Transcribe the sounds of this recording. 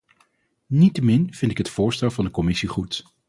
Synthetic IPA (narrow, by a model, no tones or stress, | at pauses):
nitəmɪnv̥ɪntɪkɦətfʊːɹstɛlˠvɑndəkɔmɪsiχut